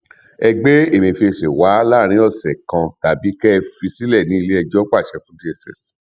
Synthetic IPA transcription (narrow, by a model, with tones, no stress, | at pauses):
ɛ˧ɡ͡be˦e˦˨mĩ˨fi˧˨ʃe˨wa˨˦la˦˨ɾ̃ĩ˨˦ɔ˦˨sɛ˨kã˧ta˨bi˨˦kɛ˦˧fi˧si˦lɛ˦˨nĩ˨˦i˧le˦ɛ˧d͡ʒɔ˦k͡pa˦˨ʃɛ˧fũ˦di˦ɛ˨sɛ̰˨s